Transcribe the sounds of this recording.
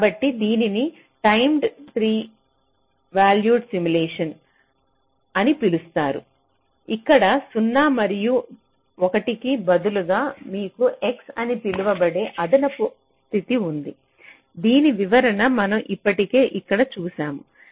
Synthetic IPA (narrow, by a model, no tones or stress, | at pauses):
kaːbɐʈːid̪iːnini | ʈɐjmɖt̪ɾiː | ʋaːljuːɖsimulɛːʂɐn | ɐnipilust̪aːɾṵ | ikːɐɽɐsunːaːmɐɾiju | ɔkɐʈikibɐd̪uluɡaːmiːkuʔeksɐnipiluʋɐbɐɽe̞ːʔɐd̪ɐnɐpu | st̪ʰit̪iund̪i | d̪iːniʋiʋɐɾɐnɐmɐnɐmʔipːɐʈike̞ːʔikːɐɽɐt͡ʃuːsaːmu